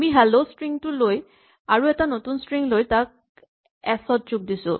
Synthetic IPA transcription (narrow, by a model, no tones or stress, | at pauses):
miɦɛlostɹiŋtuloj | aɹuɛtanotunstɹiŋlojtak̚ | ɛsɔt̚d͡ʒuk̚disʊ̰̃